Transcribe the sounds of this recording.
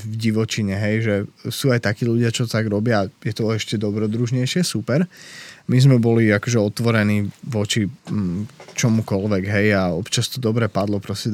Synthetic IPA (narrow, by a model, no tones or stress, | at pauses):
vɟiʋɔt͡ʃiɲɛɦɛjʒɛsuːajt̪akiːluɟɪat͡ʃɔt̪aɡɾɔbɪajɛt̪ɔɛʃcɛd̪ɔbɾɔd̪ɾuʒɲɛjʃɪɛsupɛɾmizmɛbɔliakɔʒɛɔt̪ʋɔɾɛniːʋɔt͡ʃi | t͡ʃɔmukɔlʋɛɡɦɛjaɔpt͡ʃast̪ɔd̪ɔbɾɛpad̪lɔpɾɔscɛ